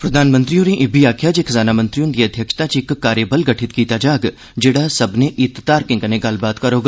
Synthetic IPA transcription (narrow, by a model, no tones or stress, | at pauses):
pɾɐd̪ʱaːnmə̃nt̪ɾijũɾĩʔɪbiaːkʰjaːd͡ʒekʰzaːnaːmə̃nt̪ɾijũnd̪iɐd̪ʱjɐkʂt̪ãt͡ʃɪkkːaːɾjebəlɡɐʈʰɪt̪kiːt̪aːd͡ʒaːɡ | d͡ʒeːɽasɐbneʔɪt̪t̪aːɾkẽŋkɐnẽɡalbaːt̪kɐɾoːɡ